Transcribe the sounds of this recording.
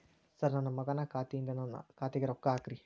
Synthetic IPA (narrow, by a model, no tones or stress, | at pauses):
sɐɾnanɐmːɐɡɐnakaːt̪ːind̪ɐnɐn̰kaːt̪iɡɐɾokːaːkɾi